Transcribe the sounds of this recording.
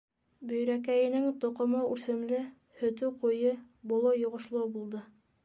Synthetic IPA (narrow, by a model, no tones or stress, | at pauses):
bɵ̆jɾækæjɘ̆nɘŋt̪ŏqŏmoʔʉsɘ̆mlɘ | hɵ̆t̪ɵqujɤ | bŏlˠɤjŏʁŏʃlˠowbulˠd̪ɤ